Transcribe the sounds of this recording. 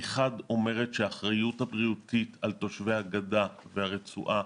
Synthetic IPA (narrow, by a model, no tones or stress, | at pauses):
eχado̞me̞ʁetʃeaːχʁajuthabʁiutitʰalto̞ʃvejhaɡadavehaʁet͡sṵʔa